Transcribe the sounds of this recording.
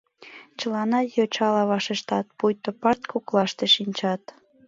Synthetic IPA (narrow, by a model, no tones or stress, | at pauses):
t͡ɕəlɑnɑjot͡ɕɑlɑβɑʃeʃt̪ɑt̪̚pujt̪opɑrt̪kʰuklɑʃt̪eʃinʲt͡ɕɑt̪